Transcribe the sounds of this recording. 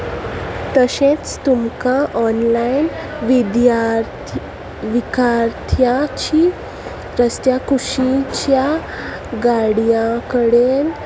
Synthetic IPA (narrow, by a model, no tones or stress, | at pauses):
t̪əɕẽt͡st̪umkaʔɔnlajin | ʋid̪jaɾ | ʋikaɾt̪ʰjat͡ɕiː | ɾəst̪jakuɕit͡ɕja | ɡaɽjãkəɽel